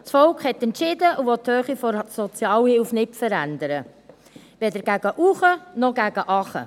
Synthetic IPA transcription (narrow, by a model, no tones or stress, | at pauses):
t͡sfɔlkχhɛt̪ɛntʃɪdəʔuvɔthøːχifɔɾsɔt͡sjɑːwhɪlfnɪtfəɾænd̪əɾə | ʋɛd̪əɾɡ̥æɡ̥əʔuχənɔɡ̥æɡ̥əʔɑχə̰